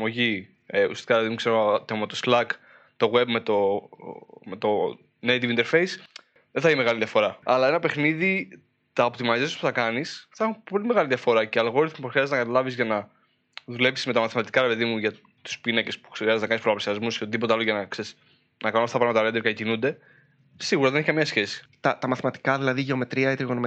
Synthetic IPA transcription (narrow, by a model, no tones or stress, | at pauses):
ɐmo̞ʝi | ṵsi̥sti̥kɐɾepeðimukseɾot̪emɐt̪oslɐk | t̪o̞ɣwe̞bme̞t̪o | met̪o̞ | nejt̪ivint̪eɾfe̞js | ðenθɐiçimeɣɐliðʝɐfo̞ɾɐɐlɐe̞nɐpe̞xniði | t̪ɐopt̪imɐzesuspu̥θɐkɐnisθɐxunpo̞lime̞ɣɐliðʝɐfo̞ɾɐceɐlɣo̞ɾiθmupoxɾiɐzeznɐkɐt̪ɐlɐvizʝɐnɐ | ðule̞psi̥zme̞t̪ɐmɐθimɐt̪i̥kɐɾepe̞ðimuʝɐ | t̪u̥spinɐce̞spu̥xɾiɐzeznɐkɐnspɾoɐpsiɐzmusçot̪iðipot̪eɐloʝɐnɐkses | nʔɐkɐnoɐft̪ɐpɾɐɣmɐt̪ɐɾd̪eɾkcinund̪e̞ | siɣuɾɐðeneçikɐmiɲɐsçe̞si̥t̪ɐt̪ɐmɐθimɐt̪i̥kɐðilɐðiʝe̞o̞me̞t̪ɾiɐit̪ɾiɣonom